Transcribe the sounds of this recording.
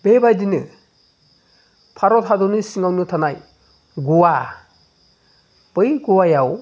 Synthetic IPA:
bebajdinɯ | pʰaɾɔtʰadɔnɯsiŋawnɯtʰanaj | ɡuwa | b̥ɯjɡuwajaw

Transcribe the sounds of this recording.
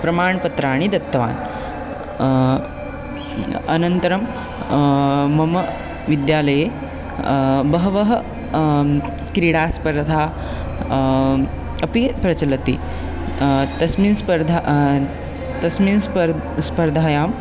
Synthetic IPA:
pɾɐmaːɳpɐt̪ɾaːɽ̃id̪ɐt̪ːɐʋa̰ːn | ɐnɐnt̪ɐɾɐm | mɐmɐ | ʋid̪jaːlɐjeː | bɐɦɐʋɐɦɐ | kɾiːɽaːspɐɾd̪ʱaː | ɐpipɾɐt͡ʃɐlɐt̪ḭː | t̪ɐsmiːnspɐɾd̪ʱa | t̪ɐsmiːns | spɐɾd̪ʱaːjaːm

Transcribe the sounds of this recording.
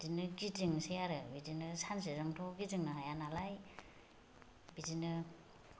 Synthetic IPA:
dinɯɡidiŋsejaɾɯbidinɯsans̬ezɯŋtʰɔɡidiŋnɯɦajanalaj | bidinɯ

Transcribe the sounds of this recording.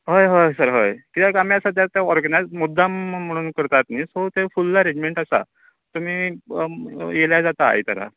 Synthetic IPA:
ɦojɦojsəɾɦəjkit̪akamjasat̪jat̪jaɔɾɡnajzmud̪ːam̤əɽ̃uːnkəɾt̪at̪niːsɦot̪efulːaɾed͡ʑmeɳʈasa̰ | t̪um̤iː | jeljad͡zat̪a̰ːjt̪a̰ɾa̰

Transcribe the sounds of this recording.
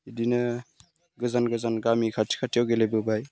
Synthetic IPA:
idinɯ | ɡɯzanɡɯzanɡamikʰatʰi̥kʰatʰijawɡelebɯbaj

